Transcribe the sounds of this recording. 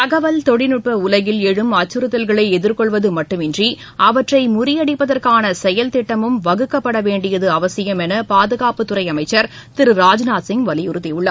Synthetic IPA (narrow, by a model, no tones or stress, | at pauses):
t̪ɐɣɐʋɐlt̪ɔɽɪnɯʈpɐʊlɐɣɪlɛɻɯmɐt͡ʃːɯɾɯt̪ːɐlɣɐɭɐɪɛðɪɾkɔɭʋɐðɯmɐʈːɯmɪndri | ʔɐʋɐʈrɐɪmʊrɪjɐɽɪpːɐðɐrkaːnɐsɛjɐlt̪ɪʈːɐmɯmʋɐɣɯkːɐpːɐɽɐʋeːɳɖɪjɐðɯɐʋɐsɪjɐmɛnɐpaːðɯɣaːpɯt̪ːʊɾɐɪɐmɐɪt͡ʃːɐɾ | t̪ɪɾɯɾaːd͡ʒnaːsɪŋʋɐlɪjʊɾɯt̪ːɪjɯɭːɐ